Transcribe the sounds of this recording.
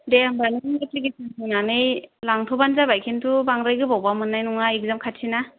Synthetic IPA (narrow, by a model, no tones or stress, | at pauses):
deambanɯɯtiɡisaŋtɯnanɯjlaŋtʰɔbanzabajkʰintʰubaŋɾajɡɯbawbamɯnːajnuŋaik̚zamkʰatʰina